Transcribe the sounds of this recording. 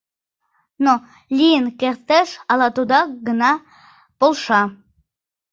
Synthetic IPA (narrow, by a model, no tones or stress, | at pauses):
no | lʲinkʲeɾt̪eʃɑlˠɑt̪ud̪ɑɡənɑ | b̥olˠʃɑ